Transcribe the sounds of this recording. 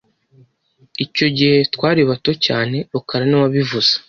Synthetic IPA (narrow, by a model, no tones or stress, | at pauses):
ico̞ɟihe̞tkwaːɾiβato̞caːne̞βakaɾaniwaβivuz̥ḁ